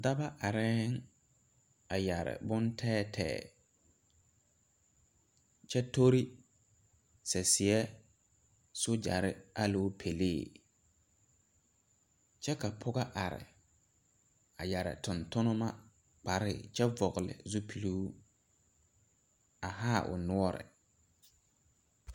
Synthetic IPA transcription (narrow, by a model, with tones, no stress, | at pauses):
da˦ba˦ʔa˨ɾɛː˦ŋ | a˨ja˨ɾɪ̰˨bʊ˦ntʰɛː˦tʰɛ̰ː˨ | t͡ʃɛ˦to˦ɾi˦ | sɛ˨sɪ˨ɛ˦ | so˦d͡ʒa̰˨ɾɪ˦a˦loː˦pʰe˨leː˦˨ | t͡ʃɛ˦ka˨pʰʊ˦ɡa˦ʔa˨ɾɪ̰˨ | a˨ja˨ɾɪ̰˨tʊ˨ntʊ˦nʊ˦ma˦ | k͡pa˨ɾɪ˦˨t͡ʃɛ˦vɔ˨ɣlɪ̰˨zu˦pʰi˨lu˦ | a˨ɦaː˦˨ʔʊ̰˨nʊ˦ɔ˦ɾɪ̰˨